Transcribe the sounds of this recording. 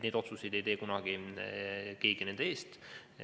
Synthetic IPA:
neːd̪o̞t̪suse̞jd̪e̞jt̪eːkunɑɡ̥i | ke̞ːɡ̥ine̞nd̪ee̞ːst̪

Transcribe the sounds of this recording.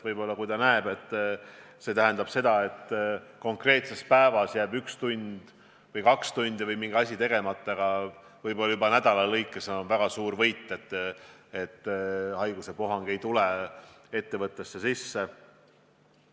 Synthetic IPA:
vɤjbo̞lːɑkujd̪ɑnæeb̥e̞t̪ːˑ | se̞ːt̪æɦend̪ɑb̥se̞d̪̥ɑe̞t̪ːko̞ŋkre̞ːt̪se̞spæevɑsjæːbykst̪unʲd̪̥ | vɤjkɑkst̪unʲd̪ivɤjmiŋɡ̥ɑsʲit̪e̞ɡ̥e̞mɑt̪ːˑɑɡ̥ɑ | vɤjbo̞lːɑjubɑnæd̪ɑlɑlɤjkːˑeseonvæɡ̥ɑsuːɾvɤjt̪ːˑe̞t̪ːˑet̪ːˑhɑjɡ̥use̞po̞ɦɑŋɡ̥e̞jt̪ule | e̞t̪ːe̞vɤt̪ˑːe̞sːe̞sisːe

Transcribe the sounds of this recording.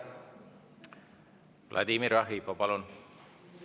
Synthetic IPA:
vlʔa̰d̪imiɾɑɦipopɑlun

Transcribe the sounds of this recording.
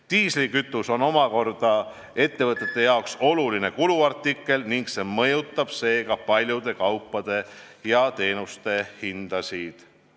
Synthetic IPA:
t̪iːslikyt̪ːˑuso̞no̞mɑko̞rd̪̥ɑ | e̞t̪ːe̞vɤt̪ːˑe̞t̪ˑːe̞jɑokso̞luline̞kuluɑrt̪ːˑikːˑe̞lniŋɡse̞mɤjut̪ːˑɑb̥se̞ːɡɑpɑlʲjud̪̥e̞kɑwpːˑɑd̪̥e̞jɑt̪e̞ːnust̪e̞hind̪̥ɑsʲid̪̥

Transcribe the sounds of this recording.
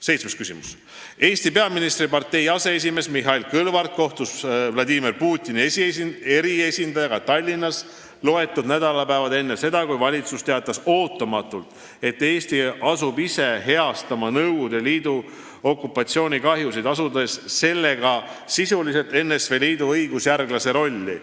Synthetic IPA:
se̞jt̪sme̞skysimus | e̞ːsʲt̪ipeɑminist̪ripɑrt̪e̞jɑse̞es̬ʲime̞smiɦɑilkɤlvɑrt̪̚ko̞ht̪usvlɑd̪imerpuːt̪ʲˑːinieɾie̞sind̪ɑjɑɡɑt̪ɑlʲːinːɑs | lo̞e̞t̪ːˑud̪næd̪ɑlɑpæevɑd̪e̞nːese̞d̪̥ɑkujvɑlʲit̪sust̪e̞ɑt̪ːˑɑso̞ːt̪ːˑɑmɑt̪ːˑult̪ˑ | e̞t̪ːe̞ːst̪iɑsubise̞ɦe̞ɑst̪ɑmɑnɤwd̪̥eliːd̪̥u | o̞kːˑupːˑɑt̪sio̞ːnʲikɑɦjusid̪ɑsud̪e̞sse̞lːe̞ɡɑsisulise̞lt̪e̞nːesve̞liːd̪uɤjɡ̥usjærɡlɑse̞ɾo̞lʲːḭ

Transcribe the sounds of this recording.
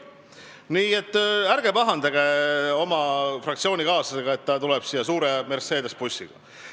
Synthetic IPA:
niːe̞t̪ːˑæɾɡe̞pɑɦɑnd̪ɑɡ̥e̞o̞mɑfrɑkt̪sio̞ːnʲikɑːsɑseɡ̥ɑe̞t̪ːɑt̪ulɛb̥siːjːɑsuːɾeme̞rse̞ːd̪̥e̞spusʲːḭɡ̥ɑ̰

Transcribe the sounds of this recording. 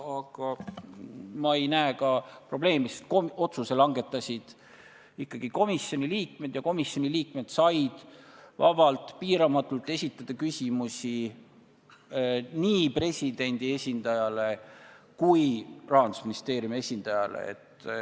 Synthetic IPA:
ɑɡ̥ɑ | mɑe̞jnæekɑpro̞ble̞ːmist̪komo̞t̪suse̞lɑŋɡe̞t̪ːˑɑsʲid̪̥ | ikːɑɡ̥iko̞misːo̞nʲiliːk̚me̞d̪̥jɑko̞misjo̞nʲiliːkme̞d̪̥sɑjd̪̥vɑ̰vɑlt̪ˑpiːɾɑmɑt̪ːˑult̪ːˑe̞sʲit̪ːˑɑd̪̥ɑkysʲimusʲi | niːpre̞sʲid̪̥e̞nʲd̪̥ie̞sʲind̪̥ɑjɑle̞ | kujrɑːnd̪u̥sminist̪e̞ːɾjumie̞sʲind̪ɑjɑlḛḛt̪ː

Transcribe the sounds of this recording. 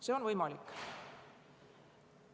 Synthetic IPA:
seo̞nvɤjmɑlikː

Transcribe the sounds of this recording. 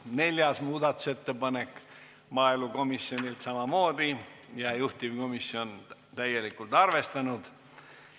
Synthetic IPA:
ne̞lʲjɑsmuːd̪ɑt̪ːˑu̥se̞t̪ːe̞pɑne̞kː | mɑːiluko̞misjo̞nʲilt̪sɑmɑmo̞ːd̪̥ijɑjuht̪ivko̞misjo̞n | t̪æjːe̞likˑult̪ɑrve̞st̪ɑnud̪̥

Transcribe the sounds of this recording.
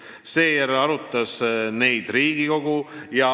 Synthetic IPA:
se̞ːjæɾɑɾut̪ˑːɑsne̞jd̪̥riːɡ̥iko̞ɡ̥ujɑ

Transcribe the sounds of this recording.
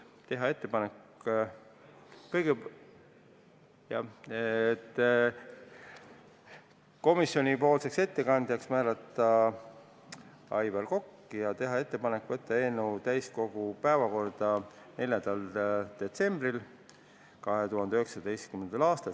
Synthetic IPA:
t̪e̞ɦɑe̞t̪ːe̞pɑnek | kɤjɡ̥e | jɑ | t̪ː | ko̞misːjo̞nʲipo̞ːlse̞kse̞t̪ːe̞kɑnd̪jɑksmæːlɑt̪ːˑɑ | ɑjvɑlko̞kːijɑt̪e̞ɦɑe̞t̪ːe̞pɑne̞kːˑvɤt̪ːɑeːnːuwt̪æjsko̞ɡ̥upæevɑko̞rd̪̥ɑ | ne̞ljɑnd̪̥ɑld̪̥e̞t̪se̞mb̥ril | kɑɦe̞t̪uɦɑnd̪eøyheksɑd̪e̞jst̪kymːe̞nd̪̥ɑlɑːst̪ɑ

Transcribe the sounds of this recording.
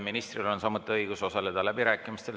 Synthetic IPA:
minist̪rilo̞nsɑmut̪ːˑiɤjɡ̥usosɑle̞d̪̥ɑlæbiɾæːkːˑimist̪e̞l

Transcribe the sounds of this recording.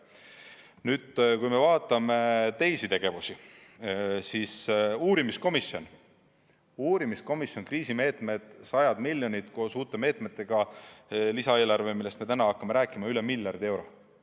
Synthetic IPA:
nyːd̪̥kujme̞vɑːt̪ːˑɑme̞t̪e̞jsit̪e̞ɡ̥e̞vusi | sisuːɾimisko̞misjo̞n | uːɾimisko̞misjo̞nkriːsime̞ːt̪ˑme̞d̪̥sɑjɑd̪̥milʲjonit̪ko̞ːsuːt̪ːˑe̞me̞ːt̪ˑmet̪ːˑe̞ɡ̥ɑ | lisɑe̞ːlɑrvemilːest̪me̞t̪ænɑɑkːɑme̞ɾæːkːˑimɑylemiljɑrd̪̥e̞wɾo̞

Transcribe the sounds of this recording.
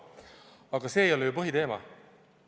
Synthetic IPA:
ɑɡ̥ɑseːejolɛjopɤɦit̪eːmɑ̰

